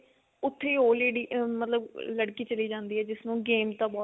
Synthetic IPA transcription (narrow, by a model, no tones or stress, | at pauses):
ʊt̪ʰːeːɦoːleːɽiːmət̪ləbləɽkiːt͡ʃəliːd͡ʒãːnd̪iːɦɛːd͡ʒɪsnũːɡeːmt̪ãːbɔː